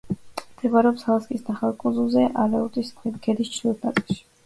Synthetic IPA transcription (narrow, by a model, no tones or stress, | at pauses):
md̪̥ʰɛbaɾɛɔpshalˠaskʼisnaχalˠkʼunzulˠzɛʔalɛuɾt̪ʼiskʰɛd̪ist͡ʃʰlilt̪ʰnat̪sʼɛlˠʃi̥